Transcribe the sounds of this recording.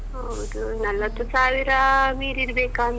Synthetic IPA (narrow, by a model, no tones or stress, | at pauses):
ɦo | d̪u | nɐlːɐt̪usaːʋiɾamiːɾiɾbeːkaːm